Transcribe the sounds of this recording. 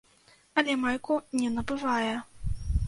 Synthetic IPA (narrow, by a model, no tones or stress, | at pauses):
ɐlʲɛmajkunʲɛnɐbɨvajɛ